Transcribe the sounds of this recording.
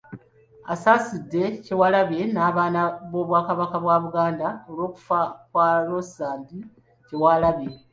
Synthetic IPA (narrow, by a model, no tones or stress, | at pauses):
asaːsidːe̞ce̞walaβe̞naːβaːnaβo̞ːβwaːkaβakaβwaːβuɡaːndaolwo̞ːku̥fakwaːlo̞saːmbi | ce̞walaβe̞